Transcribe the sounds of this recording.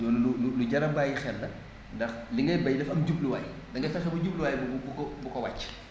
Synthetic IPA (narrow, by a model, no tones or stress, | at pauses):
jɔːnɐlululuɟɐɾɐbajixɛlːɐ | ndɐxliŋɡɐjbɐjdɐfɐmɟub̚luwaːji | dɐŋɡɐfɛxɛbɐɟubluwaːjbbukɔbukɔwat͡ʃː